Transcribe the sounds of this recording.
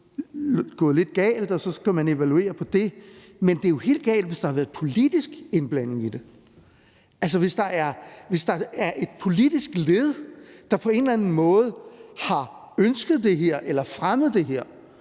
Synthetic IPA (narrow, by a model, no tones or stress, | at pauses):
ɡ̥ɔ̽ːð̩ˠle̝d̥̚ɡ̥ɛ̰ːld̥ɒ̽sɒ̽kʰæmæne̝ʋælue̝̰ːɐpʰɒ̽d̥e̝ | mend̥e̝jo̝he̝̰ːld̥ɡ̥ɛ̰ːld̥ʋe̝sd̥ɑ̈hɑ̈ʋæɐð̩ˠpʰo̝lid̥isɡ̥e̝nb̥læn̰e̝ŋid̥e̝ | ʔælsəʋe̝sd̥ɑ̈ʔæɐʋe̝sd̥ɑ̈æɐʔe̝d̥̚pʰo̝lid̥isɡ̥leð̞̩ˠd̥ɑ̈pʰɒ̽e̝nlænn̩mɔ̽ːð̞̩ˠhɑ̈ | ønsɡ̥əð̩ˠd̥e̝ɦeɐ̰ʔelɐfʁaməð̞̩ˠd̥e̝ɦeɐ̰